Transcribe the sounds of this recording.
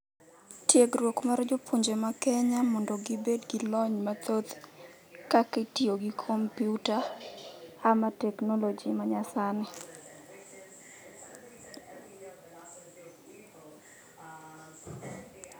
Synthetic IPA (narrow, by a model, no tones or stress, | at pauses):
tjeɡɾwokmaɾd͡ʒʊpʰoɲd͡ʒemakɛɲamɔndɔɡibedɡilɔɲmat̪ot̪ | kakɪtioɡikʰompjuta | amatɛknɔlɔd͡ʒimaɲasanɪ